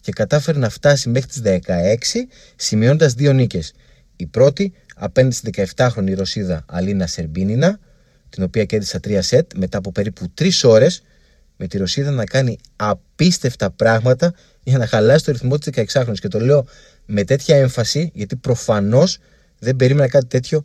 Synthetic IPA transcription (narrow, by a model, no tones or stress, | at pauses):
ce̞kɐt̪ɐfe̞ɾenɐft̪ɐsime̞xɾit̪izðekɐe̞ksi | simio̞nd̪ɐzðio̞nice̞s | ipɾo̞t̪iɐ̰pe̞nðisðe̞kɐe̞ft̪ɐxɾo̞niɾo̞siðɐɐlinɐse̞ɾbininɐ | t̪ino̞piɐce̞ɾðisɐt̪ɾiɐse̞t̪me̞t̪ɐːpo̞pe̞ɾiput̪ɾiso̞ɾe̞s | me̞t̪iɾo̞siðɐnɐkɐni | ɐpist̪e̞ft̪ɐpɾɐɣmɐt̪ɐ | ʝɐnɐxɐlɐsi̥st̪oɾiθmo̞t̪izðekɐe̞ksɐxɾo̞nisce̞t̪o̞le̞o̞ | me̞t̪e̞t̪çɐe̞ɱfɐsiʝɐt̪ipɾo̞fɐno̞s | ðe̞mbe̞ɾime̞nɐkɐt̪it̪e̞t̪ço̞